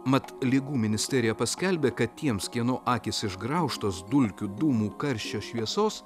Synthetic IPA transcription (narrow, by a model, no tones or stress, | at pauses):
mɐt̪lʲɪɡuːmʲɪnʲɪsʲt̪ʲɛɾʲɪjɛpɐsʲkʲɛlʲbʲeːkɐt̪t̪ʲiɛmskʲiɛnoːʔɑːkʲɪsɪʒɡɾɐˑʊʃt̪oːsd̪ʊlʲkʲʊd̪uːmuːkɐɾʲʃʲt͡ʃʲoːʃʲʋʲiɛsoːs